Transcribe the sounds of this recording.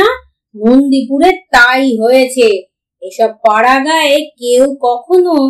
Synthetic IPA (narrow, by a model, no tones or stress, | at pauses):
a | nond̪ip̬uɾeɾt̪ajɦojet͡ɕʰe | eʃɔb̚paɽaɡaekewkɔkʰono